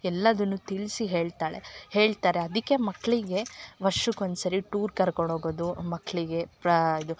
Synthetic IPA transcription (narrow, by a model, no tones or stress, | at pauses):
ɛlːɐd̪ɐnːut̪iɭsiɦeːɭt̪aːɭe̞̰he̞ːɭt̪aːɾe̞ɐd̪ikːe̞mɐkːɭiɡe̞ʋɐɾʂukond̪sɐɾiʈuːɾkɐɾkoɳɖoːɡoːd̪umɐkːɭiɡe̞pɾɐid̪u